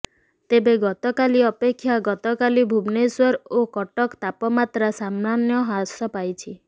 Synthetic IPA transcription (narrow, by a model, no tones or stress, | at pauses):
t̪ebeɡɔt̪ɔkaliɔpekʰːjaɡɔt̪ɔkalibʱubneswɔɾokɔʈɔkt̪apɔmat̪ɾasammanjɔɦasɔpajt͡ʃʰi